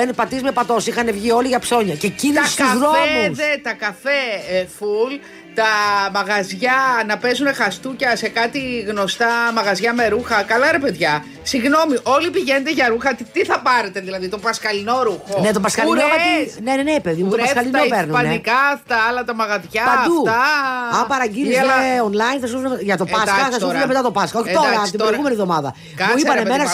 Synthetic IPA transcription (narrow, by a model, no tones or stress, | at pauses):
enpɐt̪izmepɐt̪o̞sixɐnevʝio̞liʝɐpso̞ɲɐcecint̪ɐtkɐuzðoemusðet̪ɐkɐfeful | t̪ɐmɐɣɐzʝɐnɐpe̞zune̞xɐst̪ucɐse̞kɐt̪iɣno̞st̪ɐmɐɣɐzʝɐme̞ɾuxɐkɐlɐɾe̞peðʝɐ | siɣno̞miʔo̞lipiʝened̪eʝɐɾuxɐt̪it̪iθɐpɐɾet̪eðilɐðit̪opɐskɐlinoɾuxonet̪opɐskɐlinoɐinenenepe̞ðimut̪opɐskɐllinopeɾnuɐnnikɐft̪ɐlɐt̪ɐmɐɣɐzʝɐpɐnd̪ut̪ɐɐpɐɾɐɟiizonlɐinθɐs̬usuʝɐt̪o̞pɐsɐθɐsusɐemet̪ɐt̪o̞pɐskɐoçit̪oɾɐɐpot̪ibɾojɣume̞nivðo̞mɐðɐ̰ | muipɐnemenɐ